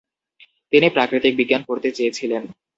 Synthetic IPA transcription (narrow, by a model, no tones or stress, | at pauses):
t̪inipɾakɾit̪ik̚biɡːankoɾt̪et͡ɕejet͡ɕʰilen